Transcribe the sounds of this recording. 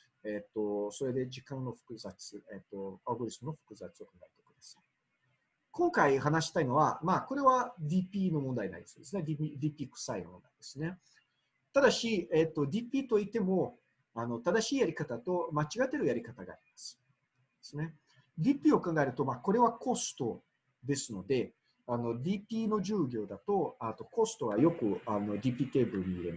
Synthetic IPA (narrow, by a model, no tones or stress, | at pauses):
et̪ːo̞so̞ɾe̞d̪e̞d͡ʑikãnːo̞ɸɯ̟̥kɯ̟zat͡sɨet̪ːo̞aɡoɾʲisɨmɯno̞ɸɯ̟̥kɯ̟zat͡sɨo̞kãŋɡaet̪e̥kɯd̪asai̥ | kõ̞ŋkaiɦanaɕi̥t̪aino̞βa̰maːko̞ɾe̞βad̪ʲiːpʲiːno̞mõ̞nd̪aina̰ḭd̪esod̪e̞sɨne̞d̪ʲipʲid̪ʲiːpʲiːkɯ̟̥sainomõnd̪a̰id̪esɨne̞ | t̪ad̪aɕiet̪ːo̞d̪ʲipʲiːt̪o̞it̪e̞mo̞ | ano̞t̪ad̪aɕiːjaɾʲikat̪at̪o̞mat͡ɕiɡat̪ːe̞ɾɯ̟jaɾʲikat̪aɡa̰ːɾʲimasɨ̥ | d̪̥esɨne̞ | d̪ʲipʲiːo̞kãŋɡae̞ɾɯ̟t̪o̞maːko̞ɾe̞βako̞sɨ̥t̪o̞ | d̪e̞sɨno̞d̪e̞ | ano̞d̪ʲipʲiːno̞ʑɨːɡʲo̞ːd̪at̪o̞at̪o̞ko̞sɨ̥t̪o̞ɡajo̞kɯ̟ano̞d̪ʲiːpʲiːt̪e̞ːbɯ̟ɾɯ̟ɲ̟iḭɾe̞ma